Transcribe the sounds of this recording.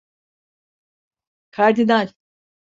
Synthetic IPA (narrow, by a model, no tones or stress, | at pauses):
kʰaɾd̪inalʲ